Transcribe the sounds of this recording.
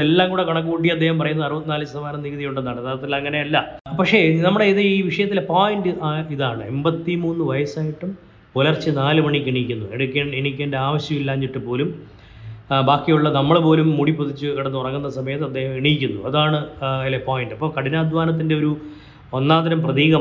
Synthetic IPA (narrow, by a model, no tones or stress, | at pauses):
elːaːŋkuːɽekɐɳɐk̬ːuuʈːiɐd̪ːehɐmpɐrɐjunɐðɐrɨbɐt̪ːinaːlsɐsɐʋaːnɐmniːɣɨðijuɳɖenːaːɳɖɐt̪ʰːaːɾɐt̪ːilɐŋːɐne̞ɐlːɐpɐkʂe̞nɐmːuɽeiðɨiːʋiʂɐjɐt̪ːilepoːjinɖɨʔiðaːɳɨe̞mbɐt̪ːimuːnːɨʋɐjɐsaːjiʈːum | polɐrt͡ɕːɨnaːlɨmɐɳikiɳikʲːunːueɽukʲːeːɳeɳikʲːeːndeaːʋɐɕjɐmilːaːɲːiʈːɨpo̞ːlum | baːkːijuɭːɐnɐmːɐɭpo̞ːlumːuɽipuðit͡ɕːɨkiɽɐnːɨurɐŋːunːɐsɐmɐjɐt̪ːɐd̪ːeːhɐmiɳijkʲːunːṵɐ̰ðaːɳɨilepoːjinɖɐpːɐːkɐɽinaːd̪ʋaːnɐt̪̬ːinde̞o̞ɾu | o̞nːaːd̪ɐɾɐmprɐðiːɣɐ